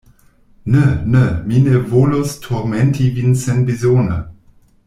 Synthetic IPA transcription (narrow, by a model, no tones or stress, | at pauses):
nənəminevoːlostʰoʁmɛntʰivinsɛnbizoːnə̰